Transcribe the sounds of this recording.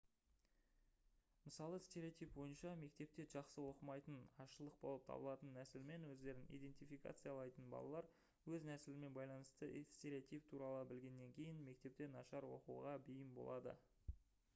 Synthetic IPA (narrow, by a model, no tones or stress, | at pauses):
məsɑlˠəst̪e̞ɾʲeot̪ijp̚bo̞jənʃɑme̞kt̪e̞p̚t̪e̞ʒɑqsəwo̞qəmɑjt̪ənɑʃəlˠəq̚bo̞lˠəp̚t̪ʰɑ̰bəlˠɑt̪ənːæsɪlme̞nwɵzd̪e̞ɾɪnḭjd̪e̞nt̪ijfijka̰t̪sɨjɑlˠɑjt̪ənbɑ̰lˠɑ̰lˠɑɾ | wɵznæsɪlɪme̞nbɑjlˠɑnəst̪əst̪eɾʲiot̪ijp̚t̪ʰuɾɑlˠəbɪlɡʲe̞nːe̞ŋkʲʰe̞jɪnme̞k̚t̪e̞p̚t̪e̞nɑ̰ʃɑɾwo̞̰qṵʁɑbijɪmbo̞̰lˠɑd̪ə̰